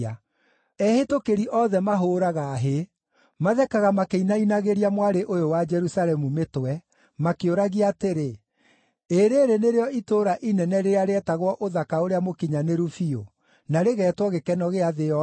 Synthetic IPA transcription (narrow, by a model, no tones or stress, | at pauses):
a | ɛhetokeɾiʔɔðɛmaɦoːɾaɣaːɦe | maðɛkaɣamakeinainaɣeɾiamwaɾeʔojowad͡ʒɛɾusalɛmumetwɛ | makeoɾaɣiateɾe | eɾeːɾeneɾeɔitoːɾaʔinɛnɛɾeɾaɾeɛtaɣwɔʔoðakaoɾeamokiɲaneɾufio̰ | naɾeɣɛːtwɔɣekɛnɔɣeaðeɔ